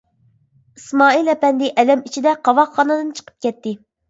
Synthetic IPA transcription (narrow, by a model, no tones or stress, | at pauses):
ismɑːilɛpɛnd̪ɪʔɛlɛmit͡ʃʰid̪ɛqʰɑwɑχːɑnɨd̪ɨnt͡ʃʰə̥qʰə̥p̚kʲɛt̪ːɪ